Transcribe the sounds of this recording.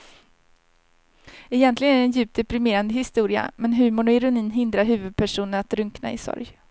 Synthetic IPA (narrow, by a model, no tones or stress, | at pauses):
ɛjɛnt̪lɪɡənæɾɛnjʉ̟ːp̚t̪d̪ɛpɾɪmeːɾand̪əhɪst̪uːɾɪa̰mɛnɦʉ̟ːmʊɳɔɪɾʊniːnɦɪnd̪ɾaɾɦʉ̟ːvɵd̪̚pʰæʂuːnəɳat̪ɾɵŋkna̰ɪ̰sɔ̰ɾj